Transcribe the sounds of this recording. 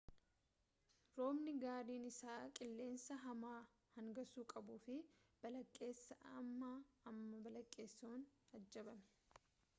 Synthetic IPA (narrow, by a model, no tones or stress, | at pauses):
ɾo̞ːmnɪɡaːɾiːnɪsaːkʼɪlːe̞ːnsɐɦɐmaː | hɐŋɡɐsuːkʼɐbuːfɪb̥ɐlɐkʼːe̞ːsːɐɐmːaɐmːɐbɐlɐkʼːe̞ːsːoːnɐd͡ʒːɐbɐmɛ̥